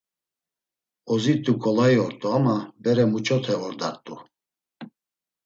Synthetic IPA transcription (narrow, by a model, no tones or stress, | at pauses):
ɔzit̪ʼukʰʼɔlajɔɾt̪ʼuamabɛɾɛmut͡ʃʼɔt̪ʰɛɔɾd̪aɾt̪ʼṵ